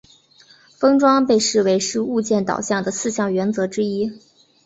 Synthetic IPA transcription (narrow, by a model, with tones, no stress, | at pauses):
fɤ˥ŋʈ͡ʂwɑ˥ŋpe˥˧ɪʂɻ̩˥˩we˧˥ɪʂɻ̩˥˧u˥˧t͡ɕjɛ˥˩nt̪ɑ̰˨˩ʊɕjɑ˥˩ŋd̪ə˩sɹ̩˥˧ɕjɑ˥˩ŋɥɛ˧˥nt͡sɤ˧˥ʈ͡ʂɻ̩˥i˥